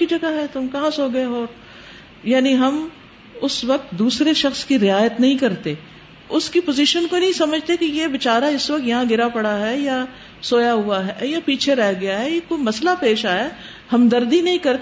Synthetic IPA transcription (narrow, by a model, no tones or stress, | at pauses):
kid͡ʒɐɡaɦɛt̪ʊmkɐɦãsoːɡɐeɦoːɾ | jaːniɦɐm | ʊsʋɐk̚t̪̚d̪uːsɾeʃɐxskiɾɪaːjət̪nɐɦĩkɐɾt̪eː | ʊskipoːziːʃənkonɐɦĩsɐməd͡ʒʱt̪ekijeʋɪt͡ʃaːɾaɪsʋɐkt̪jɐɦãɡɪɾapɐɽaɦɛja | soːjaɦuaɦɛjapiːt͡ʃʰeɾɛɦɡɐjaɦɛjekojmɐslapeːʃaːja | hɐmd̪ɐɾd̪inɐɦĩkɐɾt̪